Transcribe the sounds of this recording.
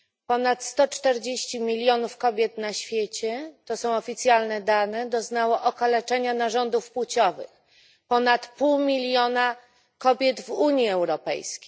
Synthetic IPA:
pɔnat̪st̪ɔt͡ʂt̪ɛɾd͡ʑeɕt͡ɕimʲilʲjɔnufkɔbʲjɛt̪naɕfʲjet͡ɕɛt̪ɔsɔ̃w̃ɔfʲit̪sʲjalnɛd̪anɛd̪ɔznawɔʔɔkalɛt͡ʂɛɲanaʐɔnd̪ufpwut͡ɕɔvɘ̰x | pɔnat̪puwmʲilʲjɔna | kɔbʲjɛd̪vuɲjiɛwɾɔpɛ̰jskʲe̥j

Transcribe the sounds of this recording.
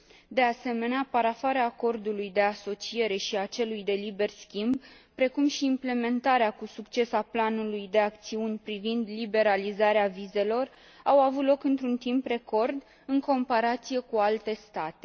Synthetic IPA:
d̪e̞ase̞me̞neapaɾafaɾeaːko̞rd̪ulujd̪e̞aso̞t͡ʃie̞ɾe̞ʃiat͡ʃe̞lujd̪e̞libe̞rskʲimb | pɾe̞kumʃiːmple̞me̞nt̪aɾeakusukt͡ʃe̞saplanulujd̪e̞ak̚t̪siunʲpɾivind̪libe̞ɾalizaɾeavize̞lo̞r | awavut̪lo̞kɨnt̪ɾunt̪impre̞ko̞rd̪ | ɨŋko̞mpaɾat̪sije̞kualt̪e̞st̪at̪e̞

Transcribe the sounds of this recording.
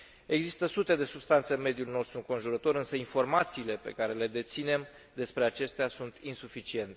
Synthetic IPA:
e̞ɡzist̪əsut̪e̞d̪e̞subst̪ant̪seɨnme̞d̪julno̞st̪ɾuŋko̞nʒuɾət̪o̞ɾɨnsəinfo̞rmat̪siːle̞pe̞̰kaɾe̞le̞d̪e̞t̪sine̞m | d̪e̞spɾe̞at͡ʃe̞st̪easunt̪insufit͡ʃie̞nt̪e

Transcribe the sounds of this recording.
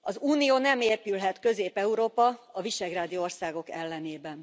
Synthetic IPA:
ɒzuːnijoːnɛmeːpylɦɛt̪kø̞zeːpɛuɾoːpɒɒviʃɛɡraːd̪io̞rsaːɡo̞kɛlːɛneːbɛn

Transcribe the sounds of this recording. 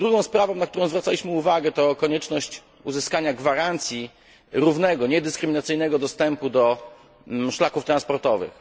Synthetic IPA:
d̪ɾuɡɔ̃w̃spɾavɔ̃w̃nakt̪uɾɔ̃w̃zvɾat̪alʲiɕmɘuvaɡɛt̪ɔkɔɲɛt͡ʂnɔɕt͡ɕ | uzɘskaɲaɡvaɾant̪sʲji | ɾuvnɛɡɔɲɛd̪ɘskɾɘmʲinat̪sɘjnɛɡɔd̪ɔst̪ɛmpud̪ɔ | ʂlakuft̪ɾanspɔɾt̪ɔvɘ̰x

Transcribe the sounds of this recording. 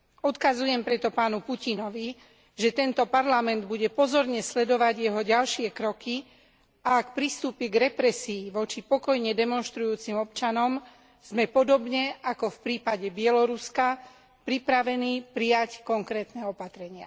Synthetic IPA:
ɔt̪kazujɛmpɾɛt̪ɔpaːnupucinɔʋi | ʒɛt̪ɛnt̪ɔpaɾlamɛnd̪buɟɛpɔzɔɾɲɛslɛd̪ɔʋaɟjɛɦɔɟalʃɪɛkɾɔki | aːkpɾist̪uːpjɛɡɾɛpɾɛsiːʋɔt͡ʃipɔkɔjɲɛd̪ɛmɔnʃt̪ɾujuːt͡simɔp̚t͡ʃanɔm | z̥mɛpɔd̪ɔbɲɛʔakɔfpɾiːpaɟɛbɪɛlɔɾuska | pɾipɾaʋɛniːpɾijackɔŋkɾɛːt̪nɛɔpat̪ɾɛɲɪa̰

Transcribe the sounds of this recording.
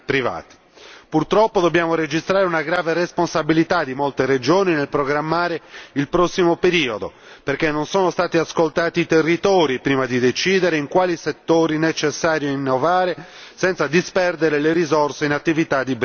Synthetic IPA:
pɾiva̰ːt̪i̥ | purt̪ɾɔpːod̪obːjaːmoɾed͡ʒist̪ɾaːɾeunaɡɾaːveresponsabilit̪ad̪ːimolt̪eɾed͡ʒoːninelpɾoɡɾamːaːɾeilpɾɔsːimopeɾiːod̪o | perkenːonsoːnost̪aːt̪iaskolt̪aːt̪iːt̪erːit̪ɔːɾipɾiːmad̪id̪et͡ʃiːd̪eɾeiŋkwaːliset̪ːoːɾinet͡ʃesːaːɾjoinːovaːɾe | sɛnt̪sad̪ispɛrd̪eɾeleɾizorseinat̪ːivit̪ad̪ːib

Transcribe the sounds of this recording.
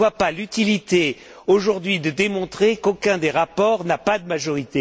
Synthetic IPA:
wapalyt̪ilit̪e | oʒuʁd̪ɥid̪əd̪emɔ̃t̪χekokʲɛ̃d̪eʁapɔʁnapad̪əmaʒɔʁit̪e

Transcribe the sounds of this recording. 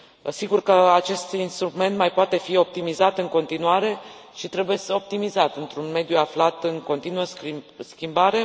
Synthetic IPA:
siɡurkəat͡ʃe̞st̪inst̪ɾume̞nt̪majpoat̪e̞fio̞p̚t̪imizat̪ɨŋko̞nt̪inuaɾe̞ | ʃit̪ɾe̞buje̞o̞p̚t̪imizat̪ɨnt̪ɾunme̞d̪juaflat̪ɨŋko̞nt̪inuəsskʲimbaɾe̞

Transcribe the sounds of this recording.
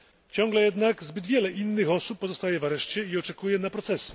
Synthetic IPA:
t͡ɕɔŋɡlɛjɛd̪naɡzbɘd̪vʲjɛlɛʔinːɘxɔsupːɔzɔst̪ajɛvaɾɛʂt͡ɕɛiɔt͡ʂɛkujɛnapɾɔt̪sɛs

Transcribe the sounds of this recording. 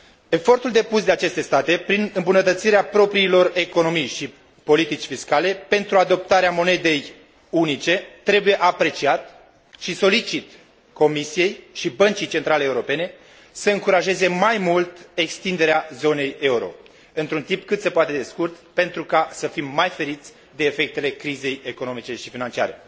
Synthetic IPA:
e̞fo̞rt̪uld̪e̞pusd̪e̞at͡ʃe̞st̪e̞st̪at̪e̞pɾinɨmbunət̪ət̪siɾeapɾo̞pɾiːlo̞re̞ko̞no̞mijʃi | po̞lit̪it͡ʃfiskalepe̞nt̪ɾuad̪o̞p̚t̪aɾeamo̞ne̞d̪e̞j | unit͡ʃe̞t̪ɾe̞buje̞ʔapɾe̞t͡ʃiat̪ | ʃiso̞lit͡ʃit̪ | ko̞misije̞jʃibənt͡ʃijt͡ʃe̞nt̪ɾaleeuɾo̞pe̞ne̞ | səɨŋkuɾaʒe̞ze̞majmult̪e̞kst̪ind̪e̞ɾeazo̞ne̞je̞uɾo̞̰ | ɨnt̪ɾunt̪impkɨt̪se̞poat̪e̞d̪e̞skurt̪pe̞nt̪ɾukasəfimːajfe̞ɾit̪sʲ | d̪e̞ːfe̞k̚t̪e̞le̞kɾize̞jeko̞no̞mit͡ʃe̞ʃifinant͡ʃia̰ɾe

